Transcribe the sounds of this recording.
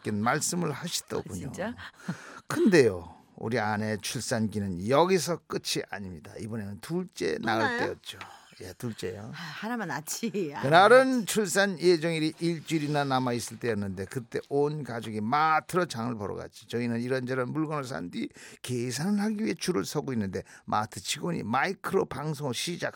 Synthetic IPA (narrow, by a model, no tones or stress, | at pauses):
k͈enmaɭs͈ɯmɯɭhaɕʰi̥d̥ʌ̰kuɲo̰ | kʰɯnde̞jo | ṵɾiane̞t͡ɕʰuɭs͈anɡinɯnjʌɡisʰʌk͈ɯt͡ɕʰiʔa̰ɲimɲida̰ibʌne̞nɯntuɭt͡ɕ͈e̞̰na̰ɯɭt͈ejʌt̚t͡ɕ͈o | jetuɭt͡ɕ͈e̞jo̰haɾamanat͡ɕʰikɯnaɾɯnt͡ɕʰuɭs͈anjed͡ʑʌŋiɾiʔiɭt͡ɕ͈uɾinanamais͈ɯɭt͈ejʌnːɯnde̞kɯt͈e̞ʔonkad͡ʑoɡimatʰɯɾot͡ɕaŋɯɭpʌɾʌ̰ɡa̰t͡ɕ͈ʰi̥t͡ɕʌinɯniɾʌnd͡ʑʌɾʌnmuɭɡʌnɯɭs̬ʰa̰ndikeis̬ʰanɯɭhaɡiɥiɦe̞t͡ɕuɾɯɭsʰʌɡoinːɯnde̞mʔa̰tʰɯ̥t͡ɕʰiɡoɲḭmaikʰɯɾopaŋs̬ʰoŋɯɕʰid͡ʑak̚